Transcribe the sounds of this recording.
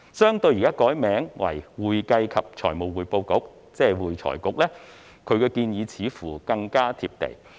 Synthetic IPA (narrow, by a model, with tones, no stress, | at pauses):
sœː˥ŋt̪ɵ˧ɥjiː˨˩kaː˥kɔː˨˥jmɛː˨˥ŋwɐ̰˨˩jwuː˨˩jkɐ˧jkʰɐ˨p̚t͡ʃʰɔː˨˩jmo˨wwuː˨jpo˧wkʊ˨˥k̚ | t͡sɛː˥˩wuː˨˩jt͡sʰɔ̰ː˨˩jkʊ˨˥k̚lɛː˥ | kʰɵ˨˧ɥkɛː˧kiː˧njiː˨˧t͡sʰiː˨˥fuː˨˩kɐ˧ŋkaː˥t̪ʰiː˧p̚t̪ḛ˨˩j